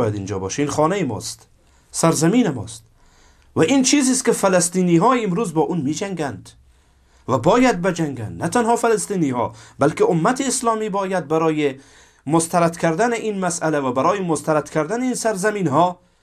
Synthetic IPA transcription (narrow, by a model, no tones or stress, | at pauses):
jad̪ind͡ʒɔ̰bɔ̰ʃinχɔːnajimɔ̰st̪ | saɾzamiːnɪmɔ̰ːst̪ | vaʔint͡ʃʰiːzist̪kɪfalast̪iːniːɦɒːimɾuzbɒːʔunmid͡ʒaŋɡænd̪ | vabɒːjad̪̚bed͡ʒaŋɡa̰nd̪nat̪anhɒfalast̪iːniːhɒ̰balkɪʔʊmːat̪ʰiːslɒːmiːbɒːjad̪̚baɾɔːje | most̪aɾat̪kʰaɾd̪anɪʔinmasalavabaɾɔːjɪmʊst̪aɾat̪kʰaɾd̪anɪinsaɾzaminɦɔ